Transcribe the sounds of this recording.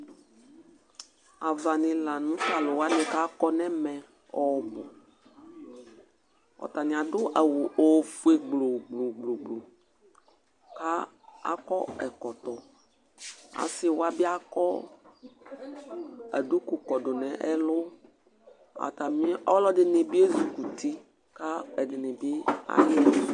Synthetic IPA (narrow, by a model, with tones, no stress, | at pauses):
a˨va˨nɪ̃˨la˨nũ˦ta˨lʊ˨wa˦nɪ̃˨ka˦kɔ˦nɛ̃˦mɛ̃˨ | ɔ˦bʊ˨ | ɔ̰˨t̪a˨nɪ̃˨a˨dʊ˦ʔa˨wʊ˨ʔo˨vu˨e˨ɡ͡blo˨ɡ͡blo˨ɡ͡blo˨ɡ͡blo˨ | ka˦ | a̰˦kɔ˦ɛ˨kɔ˨t̪ɔ˨ | a̰˨sɪ˦wʊ˦a˦bɪ˦a˦kɔ˦ | a̰˨du˦ku˨kɔ˨dʊ˨nɛ̃˨ʔɛ˦lʊ˦ | a̰˨t̪a˨mĩ˦ɔ˦lɔ˦dɪ˨nɪ˨bi˦e˦zu˨ku˨t̪i˦ | ka˦ɛ˨dɪ˨nɪ˨bɪ˦a̰˦jɪ˦